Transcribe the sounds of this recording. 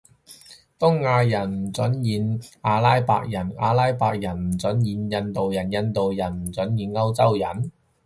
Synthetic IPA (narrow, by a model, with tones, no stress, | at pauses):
t̪ʊ˥ŋːaː˧jɐ˨˩nm̩˨˩t͡sɵ˨˥njiː˨˧naː˧laː˥jpa̰ː˧k̚jɐ˨˩na̰ː˧laː˥jpaː˧k̚jɐ˨˩nm̩˨˩t͡sɵ˨˥njiː˨njɐ˧nt̪o˨wjɐ˨˩njɐ˧nt̪o˨wjɐ˨˩nm̩˨˩t͡sɵ˨˥njiː˨nŋɐ˥wt͡sɐ˥wjɐ˨˩n